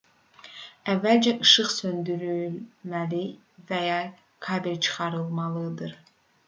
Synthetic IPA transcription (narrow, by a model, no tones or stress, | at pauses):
ævːælʲd͡ʒɛʔɯʃɯχsønd̪yɾylmæli | vɛjɑː | kʰɑːbiɾt͡ʃʰɯ̥χɑɾɯlˠmɑlˠɯd̪ɯɾ